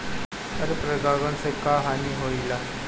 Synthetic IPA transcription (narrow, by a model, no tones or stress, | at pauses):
əɾpɾəɡaɡənsəkaɦaniɦoila